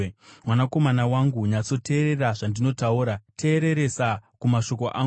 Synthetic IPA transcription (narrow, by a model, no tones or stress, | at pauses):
mwanako̞manawaŋɡuɲat͡so̞te̞ːɾe̞raʐandino̞tauːɾatʰe̞ːɾe̞ɾe̞sakumaʃo̞ko̞ʔa